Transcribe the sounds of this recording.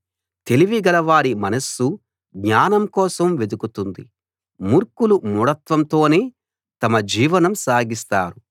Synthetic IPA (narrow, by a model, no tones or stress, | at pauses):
t̪e̞liʋiɡɐlɐʋaːɾimɐnɐsːu | ɡɲaːnɐmkɔːsɐmʋe̞d̪ukut̪und̪i | muɾkulumuɽɐt̪ʋɐmt̪o̞ːne̞ː | t̪ɐmɐd͡ʒiːʋɐnɐmsaːɡist̪a̰ːɾu